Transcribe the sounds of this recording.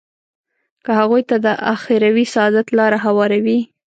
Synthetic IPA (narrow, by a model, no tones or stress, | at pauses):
kəhaɣujt̪ad̪əʔa̰xeɾawisaɑd̪at̪lɑɾaɦawɑɾawi